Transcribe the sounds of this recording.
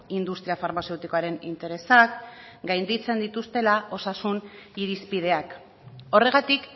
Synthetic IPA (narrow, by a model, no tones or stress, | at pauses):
ind̪ust̪ɾiafaɾmase̞wt̪iko̞aɾe̞nḭnt̪e̞ɾe̞sakɡajnd̪it͡se̞nd̪it̪ust̪e̞lao̞sasuniɾispið̞e̞ak | o̞re̞ɣat̪ik